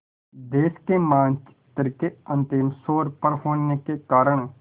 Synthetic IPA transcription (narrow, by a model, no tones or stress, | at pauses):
d̪eːskemãːnt͡ʃ | t̪əɾkeɐ̃nt̪ɪmsoːɾpəɾɦoːnekekaːɾəɳ̃